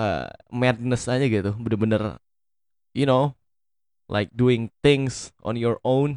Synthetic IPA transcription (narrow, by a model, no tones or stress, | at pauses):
ə̰mɛd̚nəsaɲaɡit̪ubənəbənər | juno | lʔa̰ɪk̚duɪ̃ŋt̪ɪŋsʔɔ̰̃njɔɹon